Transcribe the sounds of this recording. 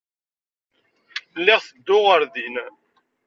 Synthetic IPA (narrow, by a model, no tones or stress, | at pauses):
lːɪʁθəd̪ːʊʁəɾðin